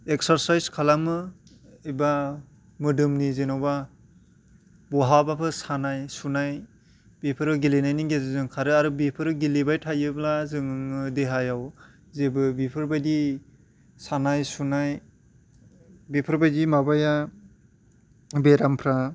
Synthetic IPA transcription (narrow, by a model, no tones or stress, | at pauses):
eksaɾsajzkʰalamɯ | iba | mɯdɯmnizenawba | bɔɦabapʰɯsanajsunaj | bipʰɯɾɯɡilinajniɡezzɯŋkʰaɾɯaɾɯbipʰɯɾɯɡilibajtʰajɯblazɯŋɯŋɯdeɦajaw | zebɯbipʰɯɾbajdi | sanajsunaj | bipʰɯɾbajdimabaja | beɾampʰɾa